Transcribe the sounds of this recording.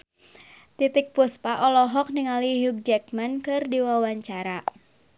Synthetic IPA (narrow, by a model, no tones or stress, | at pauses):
t̪it̪ɪk̚puspaʔɔlɔɦɔk̚niŋaliɦuɡ̚d͡ʒɛk̚mankɨrdiwawaɲt͡ʃaɾa